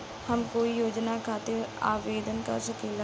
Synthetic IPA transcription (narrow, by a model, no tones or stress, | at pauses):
həmkoːijoːd͡ʒnakʰaːt̪ea̰ːʋeːd̪ənka̰ɾsəkeːla